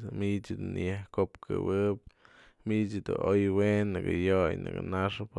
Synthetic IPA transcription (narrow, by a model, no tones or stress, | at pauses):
mit͡ʃɨd̪unjahkopkʰɨ̰wɨp̚ | mit͡ʃɨd̪uojwenːɨkɨjojnɨ̰kɨnaʂɨp